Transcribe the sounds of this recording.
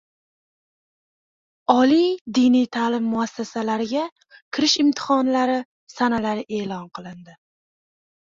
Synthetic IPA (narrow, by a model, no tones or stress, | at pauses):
ɒlˠid̪ɪnijt̪ʰaːlɪmːʊasːasalaɾɪɡʲa | kʲʰɪɾɪʃɪmt̪ʰɪ̥hɒnlaɾɪ | sanalaɾɪʔe̞ːlɒnqʰɨlˠɪnd̪ɪ